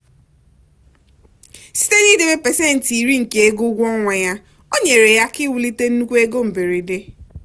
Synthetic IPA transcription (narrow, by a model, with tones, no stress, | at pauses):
si̥˦te˦ni˦dɪ˨be˦pɛ˨se˦˨n̩˨ti˨ɾi˦ŋ̩˨ke˨e˦ɡo˦ɡʷɔ˦ŋʷa˨ja˦ | o˦ɲe˨ɾe˨ja˦kɪ˦wu˨li˦te˦n̩˦nu˦kʷe˦ɡo˦m̩˨be˨ɾi˨de˦